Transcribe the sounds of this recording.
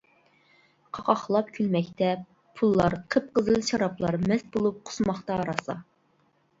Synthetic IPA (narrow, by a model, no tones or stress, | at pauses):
qʰɑqʰɑχlˠɑp̚kʲʰylmɛkʲt̪ʰɛp | pʰulˠːɑɾqʰəp̚qəzɨlˠʃɑɾɑplˠɑɾmɛst̪̚bolˠup̚qʰʊ̥smɑχt̪ɑːɾɑsɑ̰